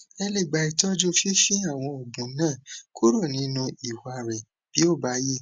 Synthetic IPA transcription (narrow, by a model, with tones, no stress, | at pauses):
ɛ˧le˦˨ɡ͡ba˨˧i˨tɔ˦d͡ʒo˦fe˦fi˦a˦˨w̃ɔ̃˧o˨ɡ͡bũ˨˦nãː˦˨kʰu˦ɾo˦˨nĩ˨˦nũ˧i˨wa˧˨ɾɛ˨ | b̥i˨˦o˦˨ba˨˦ji˦˨